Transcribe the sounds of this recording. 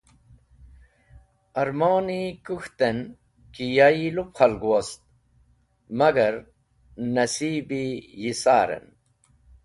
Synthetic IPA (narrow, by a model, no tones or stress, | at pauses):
ɐɾmaːnikuxt̪en | kijailupχɐlɡuwɐst̪̚ | mɐɡɐɾ | nɐsiːbijisaːɾḛn